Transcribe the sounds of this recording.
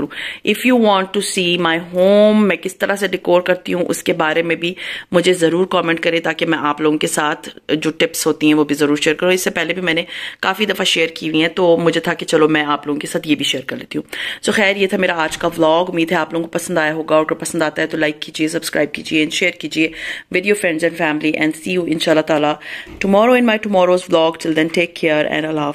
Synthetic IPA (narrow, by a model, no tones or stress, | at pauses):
ũːɪfjuːʋɔ̃ːɳʈʈːusiːmaːɪɦoːmːɛ̃kɪst̪ɐɾaseɖɪkoːɾkɐɾt̪iɦũʔʊ̰skebaːɾemẽbʱimʊd͡ʒʱezɐɾuːɾkɔːmɛ̃ːɳʈ̚kɐɾẽt̪aːkemɛ̃ʔaːploːɡõkesaːt̪ʰd͡ʒoːʈɪpsɦoːt̪iɦɛ̃ʋobʱizɐɾuːɾʃeːəɾkɐɾoɪsːepɛɦlebʱimɛ̃ːnekaːfid̪ɐfaʃeːəɾkiːʋĩɦɛ̃t̪oːmʊd͡ʒʱet̪ʰaket͡ʃɐlomɛ̃aːploːɡõkesaːt̪ʰjeːbʱiʃeːəɾkɐɾleːt̪iɦũːsoːxɛːɾjet̪ʰameːɾaaːd͡ʒkaʋlɔːɡʊmːiːd̪ɦɛaːploːɡõkopɐsənd̪aːjaɦoːɡaɔːɾkɐɾpɐsə̃nd̪aːt̪aɦɛt̪olaːɪkːiːd͡ʒies̬ɐbskɾʔaːɪb̚kḭːd͡ʒieɛ̃nʃeːəɾkiːd͡ʒieʋɪːɖijoːfɾɛ̃ɳɖzɛ̃ɳɖfɛːmliʔɛ̰̃ːɳɖsiːjuːɪ̃nʃaːlːat̪aːlaʈʊmɔːɾoɪ̃nmaːjʈʊmɔːɾoːzʋlɔːɡʈɪld̪ɛ̃nʈeːkʰːeəɾɛ̰̃ːɳɖlaː